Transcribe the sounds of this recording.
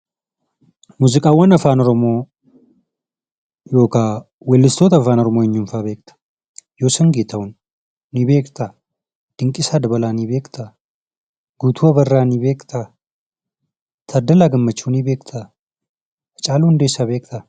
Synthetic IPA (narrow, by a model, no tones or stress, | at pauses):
muzɨkʼawɔnɐfanoɾmo | joka | welːɨst̪ʰot̪ɐfanoɾmojɛɲːumfaβekt̪ʰḁ | josɐŋɡet̪ʰawʊn | nibekt̪ʰa | d̪̥ɨŋkʼisad̪bɐlanibekʼt̪ʰa | ɡ̥ut̪ʰuɐβɐrːaniβekt̪ʰa | t̪ʰɐd̪ɐlaɡɨmːɐt͡ʃːunibekʼt̪ʰa | t͡ʃʼalund̪esaβekt̪ʰa